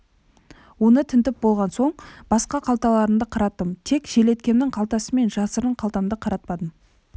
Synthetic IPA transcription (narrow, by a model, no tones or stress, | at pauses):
wo̞nət̪ʰɪnt̪ɪp̚bolˠʁɑnso̞ɴb̥ɑsqɑqʰɑlˠt̪ɑlˠɑɾənd̪əqʰɑɾɑt̪ːəmt̪ʰe̞kʒ̥e̞le̞t̪̚kʲe̞nd̪ɪɴqʰɑlˠt̪ɑsəme̞nʒɑsəɾəɴqʰɑlˠt̪ɑnd̪əqʰɑɾɑt̪̚pɑd̪əm